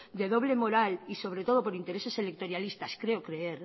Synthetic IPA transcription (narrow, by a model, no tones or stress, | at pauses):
d̪e̞ð̞o̞β̞lemo̞ɾaliso̞β̞ɾe̞t̪o̞ð̞o̞po̞ɾint̪e̞ɾese̞selek̚t̪o̞ɾjalist̪askɾe̞okɾe̞eɾ